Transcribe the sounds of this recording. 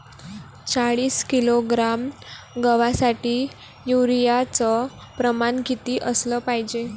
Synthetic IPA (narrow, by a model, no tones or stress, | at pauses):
t͡saɭiːskiloɡɾam | ɡəʋasaʈiː | juɾijat͡sə | pɾəmanɡʱit̪iːʔəsləpajd͡ʑe